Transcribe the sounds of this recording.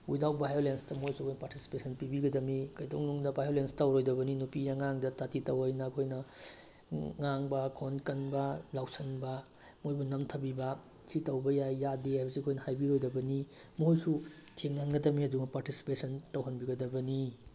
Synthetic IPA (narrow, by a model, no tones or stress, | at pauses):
ujdawbʱajolenstɐmuhojsuɐkʰojnɐpaɾtisi̥pesʰɐnpibiɡɐdɐmikɐjtoŋnuŋdɐbajolenstɐwɾojdɐbɐninupijaŋaŋdɐtatitɐwɐjnɐːkʰojnɐ | ŋaŋbɐkʰonkɐnbɐlawsɐnbɐ | mojbɐnɐmtʰɐbibɐ | sʰitɐwbɐjajːadeajbɐsiɐkʰojnɐhajbiɾojdɐbɐni | muɦojsu | tʰeŋːanɡɐdɐmiɐduŋɐpaɾtisi̥pesʰɐntɐwɦɐnbiɡɐdɐbɐni